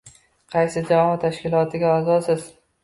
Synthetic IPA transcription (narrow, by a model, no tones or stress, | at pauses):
qʰɑjsɪd͡ʒaɒɒt̪ʰaʃkʲɪlˠɒt̪ʰɪɡʲaazɒsɪz̥